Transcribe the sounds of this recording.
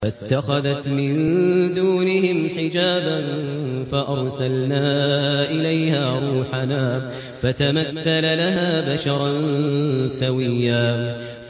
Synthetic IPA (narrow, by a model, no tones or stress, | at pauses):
fat̪ːaxaðat̪mɪnd̪uːnɪhɪmħɪd͡ʒaːbanfaʔɑɾˤsalnaːʔɪlajhaːɾˤuːħanaː | fat̪amaθːalalaɦaːbaʃɑɾˤɑn | sawɪjːaː